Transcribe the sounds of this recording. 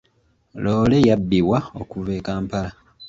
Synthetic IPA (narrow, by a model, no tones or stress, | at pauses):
loːle̞jabːiwao̰kuveːkaːmpala